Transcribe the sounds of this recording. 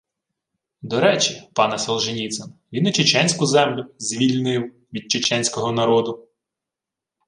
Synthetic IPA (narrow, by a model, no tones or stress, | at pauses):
d̪ɔɾɛt͡ʃʲipɑnɛsɔlˠʒɪnʲit̪sɛnʋʲinːɐt͡ʃet͡ʃɛnʲsʲkʊzɛmlʲʊzʲʋʲilʲnɪw | ʋʲid̪̚t͡ʃet͡ʃɛnʲsʲkɔɦɔnɐɾɔd̪ʊ